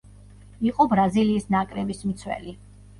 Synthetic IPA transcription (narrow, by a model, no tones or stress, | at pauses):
iqʼɔbɾaziliːsnakʼɾɛbismt̪sʰwɛ̰li